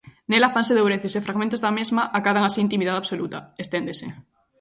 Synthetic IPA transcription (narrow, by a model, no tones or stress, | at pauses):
nelafanseðowɾeθesefɾaɣmẽnt̪ozðamezmaʔakaðaŋasiint̪imiðaðaβsolut̪aest̪end̪esḛ